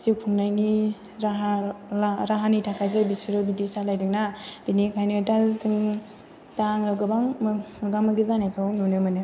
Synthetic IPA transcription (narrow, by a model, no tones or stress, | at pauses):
sikʰuŋnajni | ɾaɦaaɾaɦanitʰakʰajzɯbisɯɾɯbidisalajdɯknad̥inikʰajnɯtalsɯŋ | taŋɯɡɯbaŋmmɯɡamɯɡizanajkʰɯwnunɯmɯnɯ